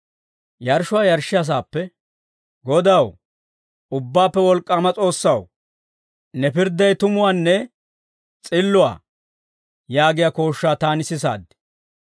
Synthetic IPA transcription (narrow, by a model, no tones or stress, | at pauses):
jɐɾʃʊwaːjɐɾʃːɪjɐs̬aːpːɛ | ɡɔd̪ɐw | ʊbːaːpːɛwɔlkʼːɐmɐt͡sʼo̞ːsːɐw | nɛpɪɾd̪ːɐjt̪ʊmʊwaːnːɛ | t͡sʼɪlːʊwa̰ː | jaːɡɪjako̞ːʃːaːt̪aːnɪsɪs̬a̰ːd̪ːɪ̥